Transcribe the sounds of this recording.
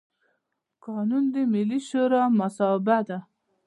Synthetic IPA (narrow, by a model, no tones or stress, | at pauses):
kɑnund̪əmɪlːiʃoɾɑmasɑbad̪a